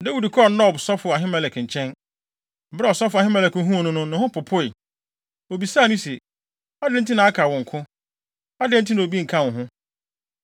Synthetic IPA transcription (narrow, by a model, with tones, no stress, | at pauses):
da˦wi˨dkʰɔ˦˨nɔ˦˨bsɔ˦fʊ˨a˨ɦɪ̃˦mɛ˨lɛ˨kɲ̩˨t͡ɕʰɛ̃˦n˨ | bɾɛ˦ɔ˨sɔ˦fʊ˨a˨ɦɪ̃˦mɛ˦lɛ˨kn˦ɦũ˦˨nʊ̃˦nʊ̃˦nʊ̃˨hʊ̃˦pʰʊ˨pʰʊ˦i˨ | o˨bi˨sa˦˨nʊ̃˦sɛ˨ | a˦dɪ̃˨˦n̩˦tʰi˦nã˨a˦kʰaː˨wɔ̃˨ŋ̩˨kʰʊ̃˦ | a˦dɪ̃˦n̩˦tʰi˦nã˨o˨bi˦ŋ̩˨kʰã˦wʊ̃˨ɦʊ̃˦